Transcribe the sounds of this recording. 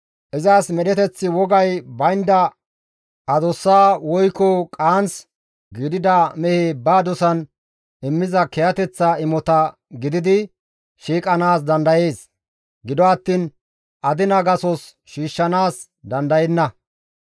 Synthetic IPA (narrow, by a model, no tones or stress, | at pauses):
ʔɪzaːsmɛɗɛt̪ɛt͡sːɪwɔɡɐjbɐjnd̪ɐ | ʔɐd̪ɔsːaːwɔjkɔkʼaːns | ɡɪd̪ɪd̪ɐmɛheːbaːd̪ɔsɐn | ɪmːɪzɐkɛjɐt̪ɛt͡sːɐɪmɔt̪ɐ | ɡɪd̪ɪd̪ɪ | ʃiːkʼɐnaːs̬d̪ɐnd̪ɐje̞ːs | ɡɪd̪ɔɐt̪ːiːn | ʔɐd̪ɪnɐɡɐsɔs | ʃiːʃːɐnaːs | d̪ɐnd̪ɐjɛnːɐ